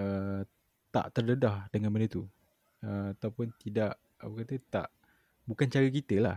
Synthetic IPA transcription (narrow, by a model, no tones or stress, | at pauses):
ə | t̪a̰ʔt̪ərdədahdəŋanmənət̪u | əmat̪awpʊnt̪idaʔ | wəkat̪ət̪a̰ʔ | bukant͡ʃaɾəkit̪əlah